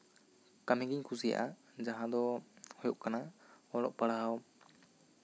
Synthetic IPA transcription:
kamiɡiɲkʰusija̰ʔa | d͡ʒaɦãd̪ɔhɔjuʔkanaɔlɔ̰ʔpaɽaɦaw

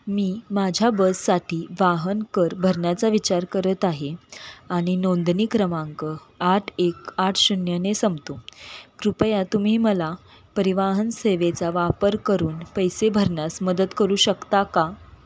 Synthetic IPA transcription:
miːmad͡ʑʱjabəssaʈʰiːʋaɦənkəɾbʱəɾɳjat͡saʋit͡ɕaɾkəɾət̪aɦeaɽ̃inond̪niːkɾəmãŋkə | aʈʰekaʈʰɕunjənesəmt̪okɾupəjat̪um̤iːməla | pəɾiʋaɦənseʋet͡saʋapəɾkəɾuːnpəjsebʱəɾɳjasməd̪ət̪kəɾuːɕəkt̪aka

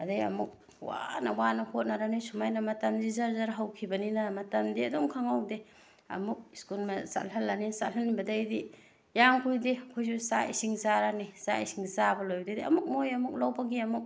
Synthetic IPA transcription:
ɐdajɐ̰muk̚ | wa̰nɐwanɐhot̚naɾanisumajnɐmɐtamzizazaɾɦawkʰibɐninamɐtɐmdiɐdoŋkʰaŋawde | ɐ̰muk̚iskulmɐsa̰lɦɐlːaninsalhɐnːibɐdajdi | jaŋkʰujdekʰojzusaḭsiŋzaɾanisaisiŋzabɐlojbdadiɐ̰muk̚mojɐmuk̚lawpaɡiɐmuk̚

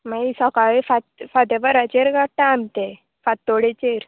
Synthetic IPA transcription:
maisɔkaʋefat̪fad̪ebəɾat͡ɕeɾɡaʈãamt̪e | fat̪ːoɽet͡ɕeɾ

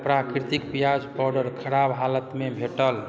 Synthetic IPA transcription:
pɾakɾit̪ikpijad͡ʒbɔɾɖəɾkʰəɾabɦalət̪mebʱeʈəl

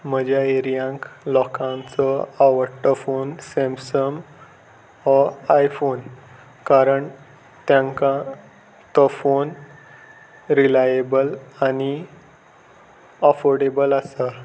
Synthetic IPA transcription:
m̤əd͡ʑʱjaeɾijãŋklɔkãnt͡sɔaʋəʈːəfonsẽmsəm | ɔajfon | kaɾəɳ | t̪jãŋkã | t̪ɔfon | ɾilajebəlani | əfoɾɖebəlasa

